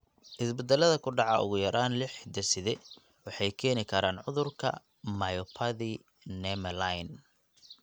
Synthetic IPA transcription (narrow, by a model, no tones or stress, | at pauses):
ʔɪsbɛd̪ɛlːɐðɐkʰʊɖɑʕɑʊ̰ɣʊjɐɾʔaːnlɪħd̪ɐsɪðɛ | wɑħɑjkʰɛːnɪkʰɐɾaːnʕʊðʊrkʰɐ̰ | mɐjɔpʰɐði | nɛmɐlajn